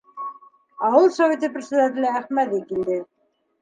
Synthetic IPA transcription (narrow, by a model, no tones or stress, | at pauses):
ɑwɤlˠsɐvʲet̪iprʲɪsʲɪd̪at̪̬ʲɪlææχmæðikild̪ɘ